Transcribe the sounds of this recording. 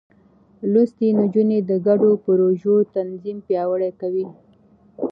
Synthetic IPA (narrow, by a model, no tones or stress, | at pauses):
lust̪inud͡ʒuned̪əɡaɖopəɾoʒot̪anzimpjɑwəɽekawi